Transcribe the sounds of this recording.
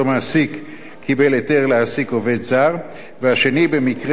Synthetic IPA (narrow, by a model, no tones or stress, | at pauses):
omasikʰː | ibe̞lete̞ʁleasikove̞d̪zaʁ | veaʃe̞nibe̞mikʁe